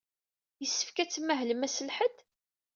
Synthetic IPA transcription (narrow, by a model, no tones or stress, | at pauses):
jəsːə̥fkæt͡sːmːæɦləmæsəlħəd̪